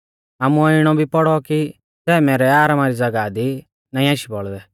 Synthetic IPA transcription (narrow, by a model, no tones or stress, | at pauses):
aːmũɔɪɽ̃ɔbʱipɔɽɔki | sɛːmɛːɾɛaːɾamaɾid͡zɐɡad̪i | nãːĩaːʃibɔɭd̪ɛ